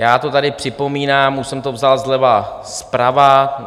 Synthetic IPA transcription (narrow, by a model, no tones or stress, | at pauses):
jaːt̪o̞t̪adɪpr̝̥ɪpo̞miːnaːmːusɛmt̪o̞vzalzlɛvaspɾava